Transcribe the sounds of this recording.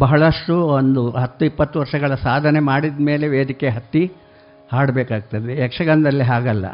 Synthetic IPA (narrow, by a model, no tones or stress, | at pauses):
bɐɦɐɭɐʂʈuond̪uɦɐt̪ːuipːɐt̪ːuʋɐɾʂɐɡɐɭɐsaːd̪ʱɐne̞maːɽid̪me̞ːleʋeːd̪ʱikeɦɐt̪ːi | haːɽbeːkaːɡ̚t̪ɐd̪eɛkʂɐɡɐnd̪ɐlːiɦaːɡɐlːɐ̰